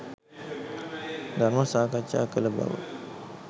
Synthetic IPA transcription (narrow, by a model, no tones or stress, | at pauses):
d̪aɾməsakat͡ʃːa̰kələba̰wə̰